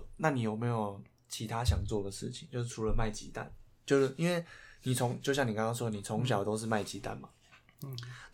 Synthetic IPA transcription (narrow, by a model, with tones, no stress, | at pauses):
na˥˨ni˨˩jo˨˩ʊme˧˥ɪjo˨˩ʊ | t͡ɕʰi˧˦˥t̪ʰa˦ɕ̬jɑ˨˩ŋt͡swɔ˥˩d̪ə˩ʂɻ̩˥˩t͡ɕʰi˨˦ŋt͡ɕjo˥˧ʊʂ̬̩˥˩ʈ͡ʂʰu˧˥lə˨˧ma˥˩ɪt͡ɕḭ˨˥t̪a̰˥˨n | t͡ɕjo˥˧ʊʂ̩˥˩ʔi˥nwe˥˩ɪni˨˩t͡sʰo˧˥ŋt͡ɕjo˥˧ʊɕjɑ˥ŋni˨˩kɑ˥ŋkɑ˥ŋʂwɔ˥d̪ə˨ni˨˩t͡sʰo˧˥ŋɕ̬jɑ˨˩ʊt̪o˥ʊʂ̬ɻ̩˥˧ma˥˩ɪt͡ɕi˨˥t̪a̰˥˨nma˩